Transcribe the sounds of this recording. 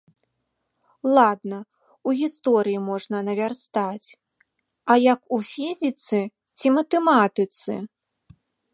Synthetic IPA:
lˠad̪nɐ | uɣʲist̪ɔɾɨjimɔʐnɐnɐvʲarst̪at͡sʲ | ɐjɐkufʲizʲit̪sɨ | t͡sʲimɐt̪ɛmat̪ɨt̪sɨ̰

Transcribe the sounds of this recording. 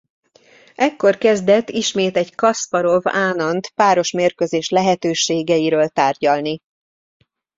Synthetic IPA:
ʔɛkːo̞rkɛzd̪ɛt̪ːiʃmeːt̪ɛɟkɒspɒɾo̞vaːnɒnt̪paːɾo̞ʃmeːrkøzeːʃlɛɦɛt̪øːʃeːɡɛjiɾøːlt̪aːrɟɒlni

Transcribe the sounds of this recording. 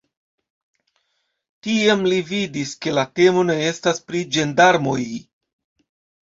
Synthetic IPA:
tiemlividiske̞late̞mo̞ne̞e̞staspɾid͡ʒe̞ndaɾmo̞j

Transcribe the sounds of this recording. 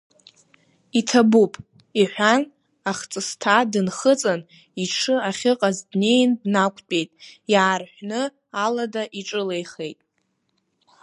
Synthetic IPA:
itʰabupʼ | iħʷᶣan | aχt͡sʼɨstʰadɨnχət͡sʼan | iʈ͡ʂʰɨaχʲɪqʼazdne̞jndnakʷʼʰt͡pʼe̞jtʼjaːrħʷᶣnɨ | aladaʔiʈ͡ʂʼɨlejχe̞jtʼ

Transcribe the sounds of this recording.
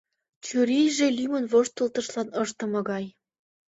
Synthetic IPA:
t͡ɕyɾejʒelymə̆nvoʃt̪ɤ̆lt̪ɤ̆ʃlɑnɤʃt̪ə̆mɤ̆ɣɑj

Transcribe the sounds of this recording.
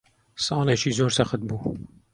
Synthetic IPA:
sɑːleʃiːzoːɾsɐχət̪̚buː

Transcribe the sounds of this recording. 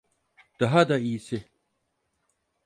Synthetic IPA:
d̥aɦad̪aiːse

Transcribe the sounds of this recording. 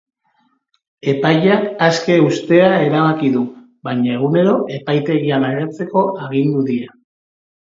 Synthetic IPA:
e̞pajakaske̞ust̪e̞ae̞ɾaβakiðu | βaɲae̞ɣ̞une̞ɾo̞ʔe̞pajt̪e̞ɣiamaɣet͡se̞ko̞ʔaɣind̪uðia

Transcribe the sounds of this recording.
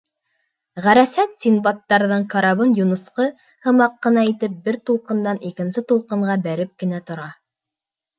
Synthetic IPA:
ʁæɾæsæt̪sʲinbɑt̪ːɑɾðɤɴkɑɾɑβɤnjunɤ̆sqɤ | hɤ̆mɑqːɤ̆nɑit̪ɘp̚bɘɾt̪ulˠqɤ̆nd̪ɑnikɘ̆nsɘt̪ulˠqɤ̆ɴɢɑbæɾɘp̚kɘ̆næt̪ŏɾɑ

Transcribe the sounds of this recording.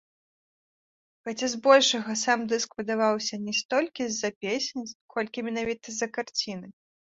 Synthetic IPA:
xat͡sʲɛzbɔlʲʂɐɣɐsamd̪ɨskvɨd̪avawsʲɐnʲɛst̪ɔlʲkʲizɐpʲesʲenʲkʰɔlʲkʲimʲɛnavʲit̪ɐzɐkart͡sʲinɨ

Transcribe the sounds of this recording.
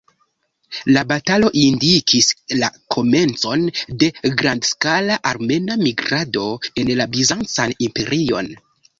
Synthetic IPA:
labatalo̞ʔindikʰislakʰo̞me̞nt͡so̞nde̞ɡɾandskalaʔaɾme̞namiɡɾado̞e̞nlabizant͡sanimpe̞ɾio̞̰n

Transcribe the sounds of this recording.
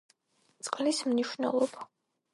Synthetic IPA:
t̪sʼqʼlismniʃwnɛ̰lˠɔba

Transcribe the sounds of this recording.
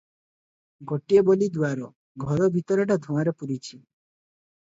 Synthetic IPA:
ɡoʈiebolid̪uaɾɔ | ɡʱɔɾɔbʱit̪ɔɾɔʈ̬ad̪ʱɔ̃aɾepuɾit͡ʃʰi

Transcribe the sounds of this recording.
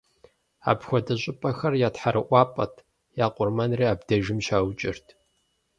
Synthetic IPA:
a̰ːpxʷɔdɐɕʼɪpʼɐxɐrjaːtħaɾɨʔʷɑːpʼɐ̰tʰ | jaːqʷʼʊrmɐnreːaːbdɐʒɪmʃaːwt͡ʃʼɪrtʰ

